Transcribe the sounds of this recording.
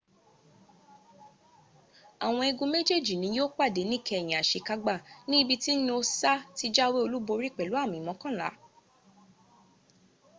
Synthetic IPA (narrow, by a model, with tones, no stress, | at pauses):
a˨w̃ɔ̃˧i˧ɡũ˧me˦d͡ʒe˦˨d͡ʒi˨nĩ˨˦joː˦k͡pa˦˨de˨˦nĩ˦˨kʰɛ˧ɛ˨j̃ĩ˨a˨ʃe˧ka˧ɡ͡ba˦˨nĩ˦i˦bi˧ti˦ñ˦o˧sa˦ti˦d͡ʒa˦we˦o˧lu˦bo˧ɾi˦˨k͡pɛ˨lu˦a˦˨mĩ˨mɔ̃˧˦kã˦˨la̰˨˦